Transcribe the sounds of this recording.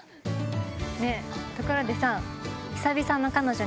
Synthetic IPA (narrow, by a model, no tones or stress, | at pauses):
net̪okɯ̟ɾod̪e̞sãɰ̃çi̥sabʲisãnːo̞kano̞d͡ʑo